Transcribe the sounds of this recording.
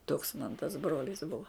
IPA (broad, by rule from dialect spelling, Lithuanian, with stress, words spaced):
toːks mɐn tɐs ˈbroːlʲɪs ˈbʊʋɐ